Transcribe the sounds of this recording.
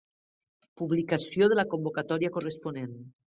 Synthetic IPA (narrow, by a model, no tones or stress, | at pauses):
puβlikasjoð̞elakombokat̪ɔɾiakoresponen